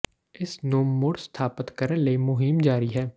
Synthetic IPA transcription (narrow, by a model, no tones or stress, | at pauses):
ɪsnoːmːʊɽst̪ʰaːpət̪kɐɾəlemʊɦɪmd͡ʒaːɾiɦɛː